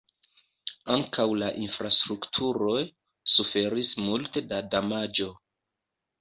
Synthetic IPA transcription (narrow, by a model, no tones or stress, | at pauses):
aŋkʰawlaʔinfɾastɾuktʰuɾo̞j | sufe̞ɾismulte̞dadamad͡ʒo̞